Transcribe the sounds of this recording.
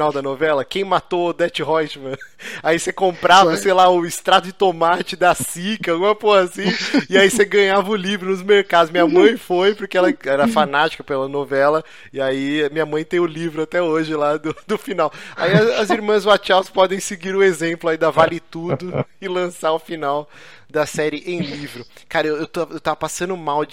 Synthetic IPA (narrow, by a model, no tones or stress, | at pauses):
nawd̪ɐnovɛlɐkẽj̃mat̪od̪ɛt͡ʃɪɦɔjt͡ʃmɐ̃aisekõmpɾavɐsejlaʊɪst̪ɾat̪ʊd͡ʒɪt̪omat͡ʃɪd̪ɐsikɐawɡũmɐpohasĩɪaiseɡɐ̃ɲavɐʊlivɾʊnʊzmeɾkad̪ʊzmĩɲɐmɐ̃j̃fojpoɾkeɛlɐɛɾɐfanat͡ʃi̥kɐpelɐnovɛlɐ | ɪaimĩɲɐmɐ̃j̃t̪ẽj̃ʊlivɾʊat̪ɛoʒɪlad̪ʊd̪ʊfinawaiɐɐziɾmɐ̃zwat͡ʃawspɔd̪ẽj̃sɪɡiɾʊezẽmplʊaid̪avalɪt̪ud̪ʊɪlɐ̃saʊfinaw | d̪ɐsɛɾɪʔẽj̃livɾʊkaɾɐewewt̪oewt̪avɐpasɐ̃nʊmaw